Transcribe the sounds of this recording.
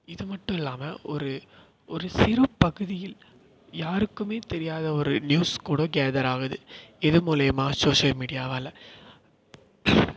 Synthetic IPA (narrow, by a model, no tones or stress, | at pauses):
ɪðɯmɐʈːɯ̃mɪlːaːmɐʔɔɾɯ | ʔɔɾɯsɪɾɐpɐɣɯðɪjɪl | jaːɾɯkːɯmeːt̪ɛɾɪjaːðɐɔɾɯnjuːskuːɽoːɡeːðɐɾaːɣɐðɯ̰ɛðɯmʊlɐːmaːsoːʂɐlmiːɽɪjaːʋɐlːɐ